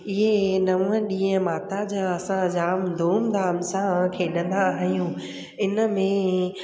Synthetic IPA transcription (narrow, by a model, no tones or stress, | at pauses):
ɪɦenɐʋə̃ɗĩːə̃maːt̪ad͡ʑaɐsãd͡ʑaːmd̪ʱuːmd̪aːmsãkʰeːɗə̃nd̪aɦijũː | ɪnəmẽ